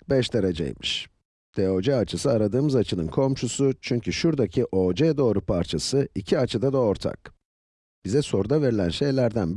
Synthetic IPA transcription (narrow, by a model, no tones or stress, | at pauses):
bɛʃd̪aɾad͡ʒḛjmɯʃ | d̪̥eo̞d͡ʒɛat͡ʃʰɯsɯaɾad̪ɯːmɯzat͡ʃʰɯnɯnkʰo̞mʃusut͡ʃʰyɲcʰyʃuɾd̪acʰiʔo̞ːd͡ʒɛd̪o̞ːɾupʰaɾt͡ʃʰasɯicʰiat͡ʃʰɯd̪ad̪ao̞ɾt̪ʰa̰k | b̥izɛso̞ɾud̪ave̞ɾilʲænʃe̞jlʲæɾd̪ænb